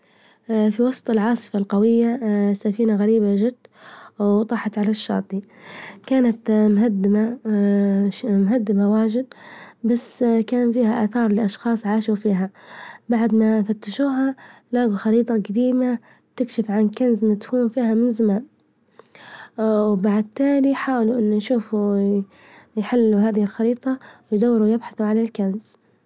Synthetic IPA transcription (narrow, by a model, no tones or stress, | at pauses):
fiwɑsˤt̪ˤɪlʕɑːsˤɨ̥falqɑwɪjːasːafiːnaɣaɾiːbaʒɪd̪̥ːwt̪ˤɑħɑt̪ʕalaʃːɑ̰ːt̪ˤikaːnat̪mɦad̪ːɪma | mɦad̪ːɪmawaːʒɪd̪̚basːkaːnfiːhaʔaθɑːɾˤliʔɑʃxɑːsˤʕaːʃufiːɦabaʕd̪mafat̪ːaʃuːɦalaːɡuxɑɾiːt̪ˤɑɡad̪iːma | t̪ɪkʃɪfʕankanzmɪt̪fuːmfiːɦamɪnzamaːn | wbaʕd̪̚t̪ːaːliħaːwluʔɪnːnʃuːfu | jħɪlːuɦaːðɪhɪlxɑɾiːt̪ˤɑwjd̪awːɪɾujɪbħaθuʕalalkanz̥